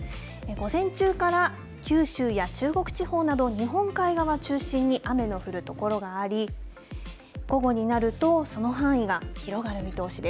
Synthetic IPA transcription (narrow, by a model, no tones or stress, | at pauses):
eɡo̞zẽ̞ɲt͡ɕɨːkaɾa | kʲɨːɕɨːjat͡ɕɨːɡo̞kɯ̟̥t͡ɕiho̞ːnad̪o̞ɲ̟iɦõ̞ŋkaiɡaβat͡ɕɨːɕĩɲ̟ːiʔame̞no̞ɸɯ̟ɾɯ̟t̪o̞ko̞ɾo̞ɡaːɾʲi | ɡ̥o̞ɡo̞ɲ̟inaɾɯ̟t̪o̞so̞no̞ɦãɰ̃iɡaçiɾo̞ɡaɾɯ̟mʲit̪o̞ːɕid̪e